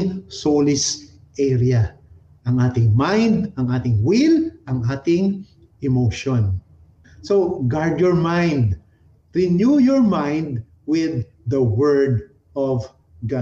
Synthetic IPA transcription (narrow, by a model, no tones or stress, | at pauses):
ŋsolɪs | ʔɛɾia | ʔɐŋaːt̪ɪŋmãjnd̪ɐŋʔaːt̪ɪŋwɪlʔɐŋʔaːt̪ɪŋ | ʔɪmoʃon | soɡaɹd̪jɔɹmãjnd̪ | ɹɪnjujɔɹmãjnd̪ | wɪðː | ɐwɛɹd̪ | ɔv | ɡa